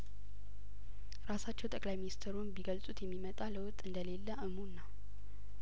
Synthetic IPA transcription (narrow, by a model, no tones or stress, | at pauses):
ɾasat͡ʃːɛwt̪ʼəkʼlajminist̪ʰɾunbiɡəlsʼut̪jɛmːimət̪ʼaləwʊt̪ʼːɨnd̪əle̞lːəʔɨmunːa